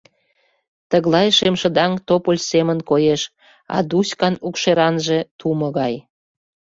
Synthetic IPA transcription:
t̪əɣlɑjʃemʃə̆d̪ɑŋt̪opolʲsemənkojeʃ | ɑ̰d̪uskɑnukʃeɾɑnʒet̪ʰuməɣɑj

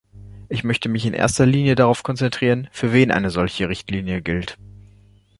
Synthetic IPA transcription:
ʔɪçmœçtəmɪçɪnʔḛːɐstɐliːnjədaʁaʊfkʰɔnt͡sɛntʁ̥iːʁənfyːɐveːnʔa̰ɪnəzɔlçəʁɪçtʰliːnjəɡɪlt

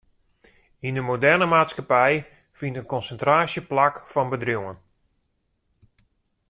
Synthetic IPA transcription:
indəmodɛrnəmaːtskapɛj | fintənkɔnsəntraːsjəplakfɔnbədriwən

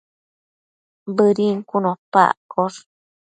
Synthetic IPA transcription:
bɨɾiŋkunõpa̰ʔkoɾ

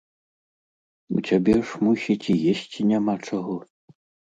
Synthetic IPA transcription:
ṵt͡sʲabʲɛʂmusʲit͡sʲijesʲt͡sʲinʲamat͡ʂaɣɔ

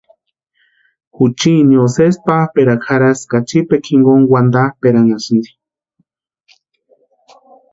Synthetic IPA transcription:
xut͡ʃinjosespapeɾakʰaɾaskat͡ʃipekʰiŋɡoŋwand̪apeɾaŋasind̪i̥

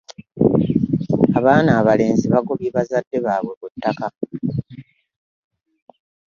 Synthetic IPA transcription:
aβaːnaːβale̞ːnziβakoβiβazadːe̞βaːβwe̞βutːaka

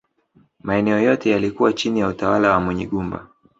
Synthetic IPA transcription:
maɛnɛɔjɔtɛjalikuwat͡ʃinijautawalawamwɛɲiɠumba̰

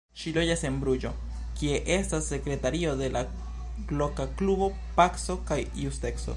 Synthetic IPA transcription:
ʃilo̞d͡ʒase̞nbɾud͡ʒo̞ | kie̞ʔe̞stasːe̞kɾe̞taɾio̞de̞la | ɡlo̞kaklubo̞ | pakso̞kajjuste̞kso̞̰

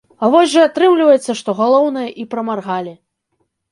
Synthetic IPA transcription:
avɔzʲʐɐat̪ɾɨmlʲivɐjɛt̪sːɐʂt̪ɔɣalˠɔwnɐjɐʔipɾɐmarɣalʲi

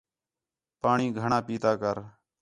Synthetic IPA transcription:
paːɳiːɡʱəɳãːpiːt̪aːkəɾ

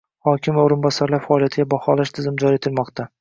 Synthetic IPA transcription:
hɒkʲʰɪmvaoɾɪnbɒsaɾlaɾfaːlijat̪ʰɪɡʲabɒhɒlaʃt̪ʰɪzɪmd͡ʒɒɾie̞t̪ʰɪlmɒqt̪ʰa

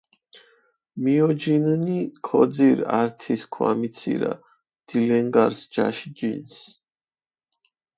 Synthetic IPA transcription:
miɔd͡ʒinnikʰɔd̪ziɾaɾt̪ʰiskʰwa̰mit̪sʰḭɾa̰ | d̪̥ilɛŋɡaɾsd͡ʒa̰ʃd͡ʒins

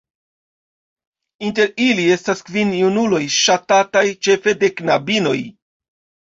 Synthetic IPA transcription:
inte̞ɾilie̞staskvinjunulo̞jʃatatajt͡ʃe̞fe̞de̞knabino̞j

